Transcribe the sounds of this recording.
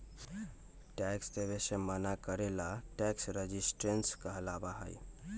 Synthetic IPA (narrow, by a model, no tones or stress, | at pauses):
ʈɛksd̪ebesemənakəɾelaʈɛksɾəd͡ʒisʈɾenskəɦlabaɦə̰j